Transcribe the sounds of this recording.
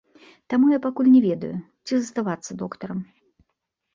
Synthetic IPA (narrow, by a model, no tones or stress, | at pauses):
t̪amujapakulʲnʲɛvʲɛd̪ɐ̰ju | t͡sʲizɐst̪avat̪sːɐd̪ɔkt̪ɐɾɐm